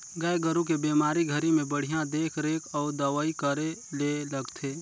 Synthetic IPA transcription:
ɡəeɡəɾũk̬ebeːmaːɾiɡʱəɾimẽbəɽ̤ijãd̪eːkʰɾeːkʰɔːɾd̪ɐʋaːikəɾeleləɡt̪ʰeː

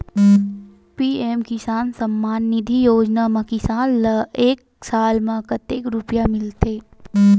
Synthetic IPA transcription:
piːeːmkɪsaːnsɐmːaːnːɪd̪ʱijoːd͡ʒnamẽkɪsaːnleːk̚ | saːlmẽkət̪eːkɾʊpjamɪlt̪eː

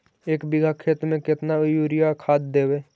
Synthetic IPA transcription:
eːkbɪɡʱakʰeːt̪ɾmẽkɪt̪najuːɾijakʰaːd̪̚d̪eːweː

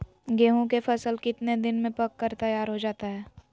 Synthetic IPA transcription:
ɡeːɦõk̬efʰɐsəlkɪt̪ned̪ɪnmẽpɐkːəɾt̪ɐjaːɾɦod͡ʒaːt̪aɦɛː

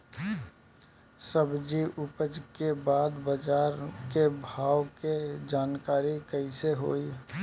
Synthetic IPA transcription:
səbd͡ʒiʔʊpəd͡ʒkebaːd̪bəd͡ʒaːɾkebʱaːwked͡ʒaːnkaːɾikəɪseɦo̰ːi

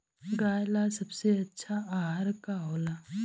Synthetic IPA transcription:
ɡaːjlasɐbseɐtːʃʰaaːɦaɾkaɦoːlaː

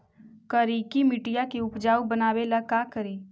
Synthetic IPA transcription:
kəɾiːkimɪʈijakiʊpd͡ʒaːubənaːwelakaːkəɾiː

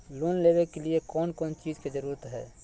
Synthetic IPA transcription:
loːnleːbekeliekɔːnkɔːnt͡ʃiːd͡ʒked͡ʒəɾuɾət̪ɦɛ̰ː

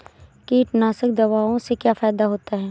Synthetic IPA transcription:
kiːʈnaːsəkd̪ɐʋaːõsekjaːfaːd̪aɦoːt̪aɦɛː

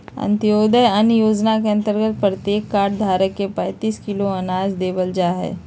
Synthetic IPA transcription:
ə̰̃nt̪ijoːd̪əjənjoːd͡ʒnakeɐ̃nt̪əɾɡət̪̚pɾət̪jeːkːaːɾʈd̪ʱaːɾəkːepə̃jt̪iːskɪloɐnaːd͡ʒd̪eːbəld͡ʒaːɦɛ̰ː

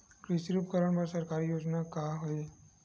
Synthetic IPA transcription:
kɾɪʃiɾuːpkəɾəɳpəɾsɐɾkaːɾijoːd͡ʒnakaɦoe

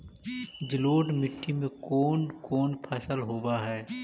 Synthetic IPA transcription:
d͡ʒɪloːɖmɪʈːimẽkoːnkoːnpʰɐsəlɦoːbaɦɛː

